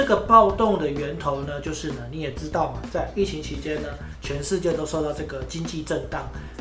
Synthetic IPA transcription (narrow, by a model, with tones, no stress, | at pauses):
ə˥˩ɡə˩pɑ˥˧ʊt̪o˥˨ŋd̪ə˨ɥɛ˨˧˥nt̪ʰo˨˦ʊnə˧t͡ɕjo˥˧ʊʂɻ̩˥˩nə˩ni˨˥jɛ˨˩ʈ͡ʂɻ̩˦˥t̪ɑ˥˩ʊmɐ˨˩t͡sa˥˧ɪʔi˥˩t͡ɕʰi˧˥ŋt͡ɕʰi˧˥t͡ɕjɛ˥˦nd̪ə˨ | t͡ɕʰɥɛ˧˥nʂɻ̩˥˧t͡ɕjɛ˥˧t̪o˥ʊʂo˥˧ʊt̪ɑ˥˧ʊʈ͡ʂɤ˥˩ɡə˩t͡ɕi˦ŋt͡ɕi˥˧ʈ͡ʂə˥˧ŋt̪ɑ˥˩ŋ